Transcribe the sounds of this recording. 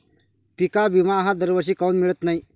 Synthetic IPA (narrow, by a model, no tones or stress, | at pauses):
pikabimaɦãd̪əɾʋəɕ̬ikawnmiɭət̪nai